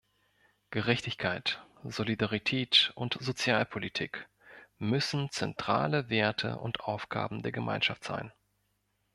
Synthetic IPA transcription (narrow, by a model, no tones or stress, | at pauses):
ɡ̥əʁɛçtɪçkʰaɪtz̥olidaʁitʰɛːtʊntz̥ot͡sjaːlpʰolitʰiːk | mʏsn̩t͡sɛntʁ̥a̰ːləveːɐtʰə̰ʔʊ̰ntʔaʊfɡ̥a̰ːbm̩deːɐɡəmʔa̰ɪnʃaftz̥a̰ɪn